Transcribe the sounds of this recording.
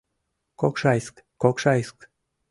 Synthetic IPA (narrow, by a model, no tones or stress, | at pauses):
kokʃɑjsk | kokʃɑjsk